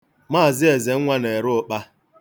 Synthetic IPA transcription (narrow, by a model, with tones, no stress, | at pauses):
maː˦˨zɪ˦e˨ze˨ŋ̩˦ŋʷa˦ne˨ɾʊ˦ʊ˦k͡pa˦